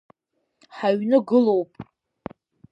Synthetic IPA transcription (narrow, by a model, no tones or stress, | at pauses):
ħaɥnɨɡɨlowpʼ